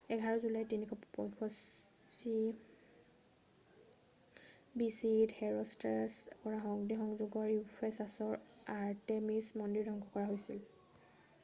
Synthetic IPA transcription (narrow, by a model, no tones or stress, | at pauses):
ɛɡʱaɹɔzulajtinikʰɔppɔjkʰɔs | si | bisidhɛɹɔstɛspɔɹaxɔŋdixɔŋzuɡɔɹupʰɛsasɔɹ | aɹtemismɔndiɹdʱɔŋɡʰɔkɔɹaɦojsil